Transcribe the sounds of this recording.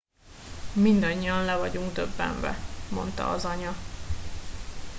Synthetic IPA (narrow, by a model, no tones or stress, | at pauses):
mind̪ɒɲːiɒnlɛvɒɟuŋɡd̪øbːɛ̰ɱvɛ̰mo̞̰nt̪ɒ̰ːzɒɲɒ